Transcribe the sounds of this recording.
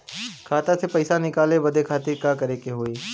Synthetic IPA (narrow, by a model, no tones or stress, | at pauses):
kʰaːt̪asepɐɪsanɪkaːlebɐd̪ʱekʰaːt̪ɪɾkakɐɾekeɦoːiː